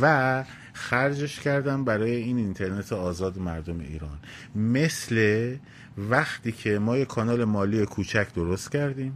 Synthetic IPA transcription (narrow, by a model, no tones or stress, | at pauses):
væ | xæɾd͡ʒe̞ʃcʰæɾd̪æmbæɾɒːje̞iːnint̪ʰe̞ɾne̞t̪ʰeɒːzɒːd̪emæɾd̪ome̞̰ḭːɾɒːn | me̞sle̞ | væxt̪ʰiːcʰe̞mɒːjekʰːɒːnɒːle̞mɒːliːjekʰuːt͡ʃʰæcʰd̪oɾost̪̚cʰæɾd̪ĩːm